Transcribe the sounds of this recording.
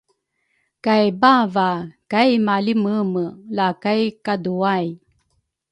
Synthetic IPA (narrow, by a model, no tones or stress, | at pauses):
kajbavakajmaliməməlakajkaduaj